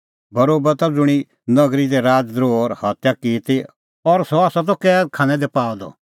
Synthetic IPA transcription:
bɐɾoːbət̪ad͡zʊɽ̃i | nɐɡɾid̪ɛɾaːd͡zd̪ɾoːɾhat̪jakiːt̪e | ɔɾsɔaːsat̪̬ɔkɛkʰaːnɛ̃d̪ɛpaːɔd̪ɔ̰

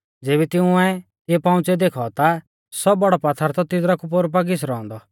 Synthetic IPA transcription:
d͡zeːbɛt̪ɪʊ̃ɛ | t̪epãʊ̃t͡sɛd̪eːkʰɔɔt̪a | sɔbɔɽɔpat̪ʰːaɾt̪ɔt̪ɪd̪ɾakup̬oɾp̬aɡɪs̬ɾɔɔ̃nd̪ɔ

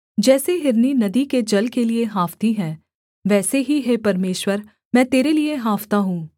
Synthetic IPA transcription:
d͡ʒɛːseɦɪɾninɐd̪iked͡ʒɐlkelieɦaːft̪iɦɛ̃ː | ʋɛːseɦiɦeːpɐɾmeːʃwəɾ | mɛ̃ːt̪eːɾelieɦaːft̪aɦũː

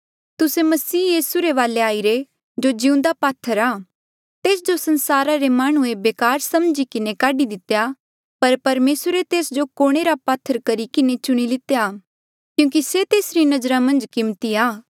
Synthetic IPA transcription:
t̪ʊsemɐsiːjiːsuɾeʋaːleaːiɾe | d͡ʒod͡ʒɪũnd̪apaːt̪ʰːəɾaː | t̪eːsd͡ʒosɐ̃nsaːɾaɾemaːɽ̃ũebeːkaːɾsɐmd͡ʒikɪnekaːɖid̪ɪt̪ːeja | pɐɾpɐɾmeːsɾet̪eːsd͡ʒokoːɽ̃eɾapaːt̪ʰːəɾkɐɾikɪnet͡ʃʊɽ̃ilɪt̪eja | kjũːk̬iset̪eːsɾinɐd͡ʒɾamɐ̃nd͡ʒkɪmt̪iaː

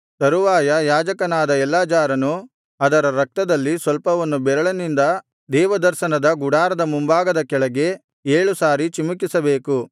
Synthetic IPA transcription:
t̪ɐɾuʋaːjɐjaːd͡ʒɐkɐnaːd̪ɐɛlːaːd͡ʒaːɾɐnu | ɐd̪ɐɾɐɾɐk̚t̪ɐd̪ɐlːisʋɐlpɐʋɐnːubɛɾɐɭɐnind̪ɐ | d̪ɛːʋɐd̪ɐɾʃɐnɐd̪ɐɡuɽaːɾɐd̪ɐmumbaːɡɐd̪ɐkɛɭɐɡe̞ | eːɭusaːɾit͡ʃimukisɐbe̞ːku

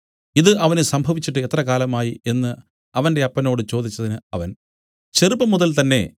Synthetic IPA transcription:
iðɨʔɐʋɐnesɐmbʱɐʋit͡ɕːiʈːɨet̪rɐkaːlɐmaːjie̞nːɨ | ɐʋɐnde̞ɐpːɐno̞ːɽɨt͡ɕo̞ːd̪ʱit͡ɕːɐðinɨɐʋɐn | t͡ɕe̞rupːɐmuðɐlt̪ɐnːe̞̰

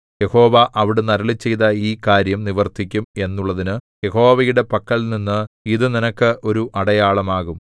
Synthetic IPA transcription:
je̞ho̞ːʋɐʔɐʋiɽenɐɾɐɭit͡ɕːe̞jt̪ɐiːkaːɾjɐmniʋɐrt̪ʰikʲːume̞nːuɭːɐðinɨ | je̞ho̞ːʋɐjuɽe̞pɐkːɐɭninːɨiðɨninɐkːɨʔo̞ɾuʔɐɽɐjaːɭɐmaːɣum

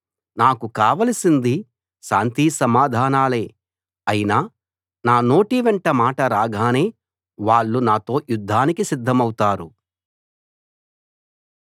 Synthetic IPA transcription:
naːkukaːʋɐlɐsind̪i | ʃaːnt̪isɐmaːd̪ʱaːnaːle̞ː | ɐjinaː | naːno̞ːʈiʋɛɳʈɐmaːʈɐɾaːɡʱaːne̞ː | ʋaːɭːunaːt̪o̞ːjud̪ʱːaːnikisid̪ʱːɐmɐwt̪aːɾu

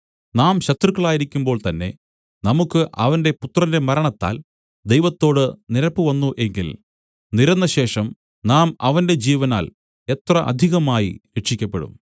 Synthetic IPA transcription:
naːmɕɐt̪rukːɐɭaːjiɾikʲːumbo̞ːɭt̪ɐnːe̞̰ | nɐmukːɨʔɐʋɐnde̞put̪rɐnde̞mɐɾɐɳɐt̪ːa̰ːl | d̪e̞jʋɐt̪ːo̞ːɽɨniɾɐpːɨʋɐnːuʔe̞ŋɡil | niɾɐnːɐɕe̞ːʂɐm | naːmɐʋɐnde̞d͡ʑiːʋɐna̰ːl | e̞t̪rɐʔɐ̰d̪ʱiɣɐmaːjiɾeʈʂikʲːɐpːeɽṵm

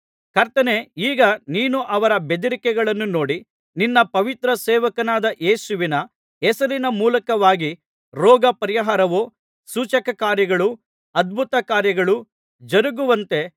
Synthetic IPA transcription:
kɐɾt̪ɐneiːɡɐniːnuʔɐʋɐɾɐbe̞d̪ɐɾikɛɡɐɭɐnːuno̞ːɽi | ninːɐpɐʋit̪ɾɐsɛːʋɐkɐnaːd̪ɐʔeːsuʋinɐ | ɛsɐɾinɐmuːlɐkɐʋaːɡi | ɾɔːɡɐpɐɾijɐɦaːɾɐʋoː | suːt͡ʃɐkɐkaːɾjɐɡɐɭu | ɐd̪̚bʱut̪ɐkaːɾjɐɡɐɭu | d͡ʒɐɾuɡuʋɐnt̪e̞

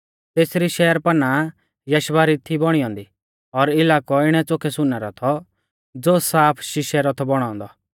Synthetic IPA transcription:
t̪eːsɾiʃɛːəɾpɐna | jɐʃʋaɾit̪ʰibɔɽ̃ijɔ̃ːnd̪i | ɔɾɪlaːkɔɪɽ̃ɛt͡sokʰɛsʊnːɛɾɔt̪ʰɔ | d͡zoːsaːpʰʃɪʃɛɾɔt̪ʰɔbɔɽ̃ɔ̃ːnd̪ɔ

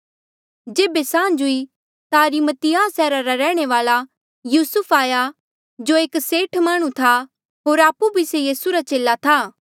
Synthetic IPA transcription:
d͡ʒeːbesãːd͡ʒʊi | t̪aɐɾimət̪ɪjaːsɛːɾaɾaɾɛːɽ̃eʋaːla | juːsʊpʰaːja | d͡ʒoeːkseːʈʰmaːɽ̃ũt̪ʰa | ɦoːɾaːpːubʱisejiːsuɾat͡ʃeːlat̪ʰaː

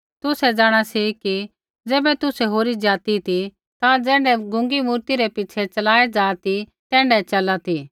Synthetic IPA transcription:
t̪ʊsɛd͡ʒaːɽ̃asiki | d͡zɛːbɛt̪ʊsɛɦoːɾid͡ʒaːt̪it̪ʰi | t̪ãd͡zɛ̃ːɳɖɛɡʊ̃ŋɡimuːɾt̪iɾɛpɪt͡ʃʰɛt͡ʃɐlaːed͡ʒaːt̪it̪ɛ̃ːɳɖɛt͡ʃɐlat̪i

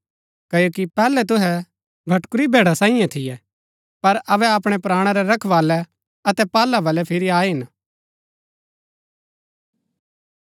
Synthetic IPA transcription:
kɐjoːkipɛːlɛt̪ʊɦɛ | bʱɐʈkʊɾibʱeːɽasãːɪ̃jãt̪ʰɪjɛ | pɐɾɐʋɛɐpɽ̃ɛpɾaːɽ̃aɾɛɾɐkʰʋaːlɛ | ɐt̪ɛpaːlabɐlɛpʰɪɾiaːiɦɪn

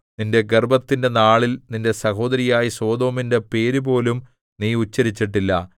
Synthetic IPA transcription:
ninde̞ɡerbɐt̪ːinde̞naːɭilninde̞sɐɦo̞ːd̪ɐɾijaːjiso̞ːd̪o̞ːminde̞pe̞ːɾubo̞ːlum | niːut͡ɕːɐɾit͡ɕːiʈ̬ːilːɐ

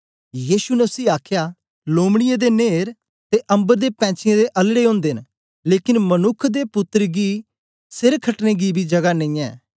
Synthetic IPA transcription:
jiːsunəsiːaːkʰja | loːmɽ̃ɪjẽd̪eneːɾ | t̪eʔɐ̃mbəɾd̪epɛ̃ːt͡ʃɪjẽd̪eʔɐlɽeõːnd̪eːn | leːkɪnmɐnʊkʰd̪epʊt̪ːəɾɡi | sɪɾkʰəʈneɡibʱid͡ʒɐɡanẽĩːɛ̰̃ː

